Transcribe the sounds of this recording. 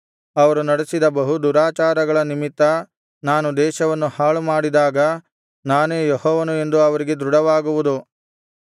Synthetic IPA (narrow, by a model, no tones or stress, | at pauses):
ɐʋɐɾunɐɽesid̪ɐbɐɦud̪uɾaːt͡ʃaːɾɐɡɐɭɐnimit̪ːɐ | naːnud̪ɛːʃɐʋɐnːuhaːɭumaːɽid̪aːɡɐ | naːneːjɔhɔːʋɐnue̞nd̪uɐʋɐɾiɡe̞d̪ɾuɽɐʋaːɡuʋud̪u